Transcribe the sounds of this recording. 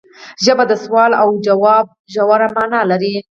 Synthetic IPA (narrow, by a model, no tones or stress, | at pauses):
ʒəbad̪əswɑlawd͡ʒawɑb̚ʒawaɾamɑnɑlaɾi